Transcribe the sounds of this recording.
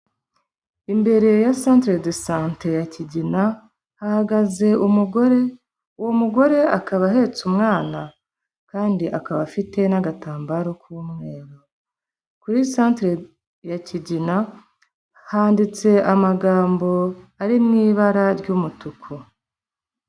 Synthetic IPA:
imbe̞ɾe̞jasãːntɾedesãːntejaciɟina | hahaɡaze̞ʔumuɡoɾe | uwomuɡo̞ɾe̞akaβaɦe̞t͡sumŋaːna | kaːndiʔakaβafite̞naɡataːmbaɾo̞kuuwumŋe̞ːɾo | kuɾisantɾe | jaciɟina | haːndit͡se̞ʔamaɡaːmbo̞aɾimŋiːβaɾaɾɟumutukʰo

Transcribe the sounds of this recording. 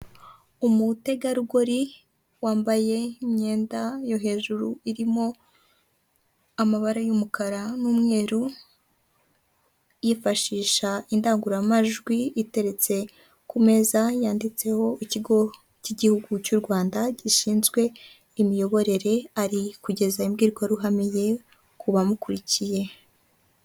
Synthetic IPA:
umute̞ɡaɾuɡo̞ɾi | waːmbaje̞imɲe̞ːndajo̞ɦe̞ːʒuɾuiɾimo̞ | amaβaɾajumukaɾanuːmŋe̞ːɾu | jifaʃiːʃaindaːŋɡuɾamaʒɡwiite̞ɾe̞t͡se̞ | kume̞zajaːndit͡se̞ho̞iciɡo̞ | ciɟihuɡucuɾɡwaːndaɟiʃiːnzɡwe̞ | imijo̞βo̞ɾe̞ɾe̞aɾikuɟe̞zaimɡiːɾɡwaɾuɦamije̞ | kuβamukuɾicije̞

